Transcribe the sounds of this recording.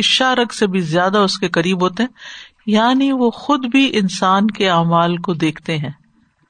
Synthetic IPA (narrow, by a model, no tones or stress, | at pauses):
ɪʃaɾɐɡsebʱizjaːd̪aʊskekɐɾiːbɦoːt̪eɦɛ̃ | jaːniʋoːxʊd̪bʱiʔɪnsaːnkeaːmaːlkod̪eːkʰt̪eɦɛ̃ː